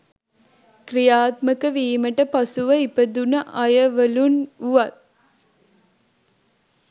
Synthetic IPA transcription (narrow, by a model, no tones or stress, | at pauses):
krijaːt̪məkəʋiːməʈəpɐsuʋɐipəd̪unəʔɐjɐʋəlunuʋɐt̪̚